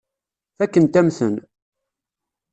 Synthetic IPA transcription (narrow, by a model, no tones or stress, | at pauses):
θækːənt̪æmθə̰n